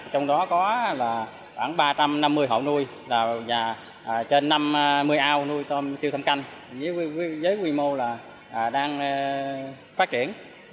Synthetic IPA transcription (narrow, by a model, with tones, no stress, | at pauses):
t͡ɕɔ˧wŋ͡mɗɔ˨˦kɔ˨˦laː˨˩ | xwaː˧˩ŋɓaː˧t͡ɕa˧mna˧mːɨ˧əjɦə̰˧˨˩wnu˧əj | laː˨˩zaː˨˩ | ʔt͡ɕe˧nːa˧m˧mɨ˧əjʔaː˧wnu˧əjt̪ɔ˧msi˧t̪ʰa˧mka˧jŋ˨zə˨˦i˧˨˦zəː˨˦jkwi˧mo˧laː˨˩ | ʔːɗaː˧ŋː˧ | faː˦˥t̚t͡ɕi˧˩˨ən